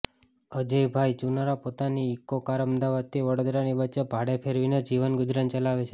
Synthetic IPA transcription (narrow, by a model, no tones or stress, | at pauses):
əd͡ʒəjbʱajd͡ʒunaɾapot̪aniːkokaɾəmd̪aʋad̪̚t̪ʰiʋəɽod̪ɾaniʋətːt͡ʃebʱaɽepʰeɾʋined͡ʒiʋənɡʊd͡ʒɾənt͡ʃəlaʋet͡ʃʰe